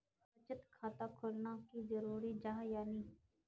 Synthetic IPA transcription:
ɐt͡ʃət̪kʰaːt̪akʰolnakizɐɾuːɾid͡ʒaːɦjaːniː

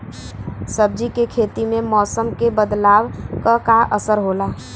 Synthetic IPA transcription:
səb̚d͡ʒikekʰeːt̪imẽmɔːsəmkebəd̪laːwkakaʔəsəɾɦoːlaː

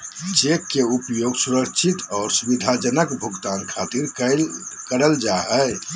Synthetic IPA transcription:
t͡ʃekːeupjoɡsuɾəkt͡ʃʰit̪ɔːɾsubid̪ʱad͡ʒənəkbʱuɡt̪ankʰat̪iɾəkəɾəld͡ʒaɦə

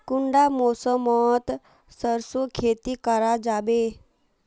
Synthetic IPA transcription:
kʊɳɖamosəmɔt̪ | səɾsokʰeːt̪ikəɾad͡ʒaːbe

